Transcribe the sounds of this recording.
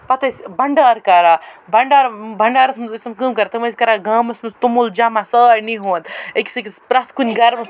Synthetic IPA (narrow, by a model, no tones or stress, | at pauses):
pɐt̪ɐsʲbɐɳɖaːɾkɐɾabɐɳɖaːɾbʱɐɳɖaːɾɐsmɨzismkɨmkɐɾt̪ɨmɐsʲkɐɾaɡaːmɐsmɐzt̪umuld͡ʒamasəːɾniɦoːnd̪ekʲi̥sɨkispɾɐt̪ʰkunʲɡɐɾmɐs